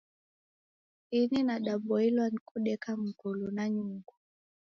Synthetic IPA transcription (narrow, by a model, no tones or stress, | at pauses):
ininaɗaɓɔilwanikuɗɛkam̩kulunaɲuŋɡu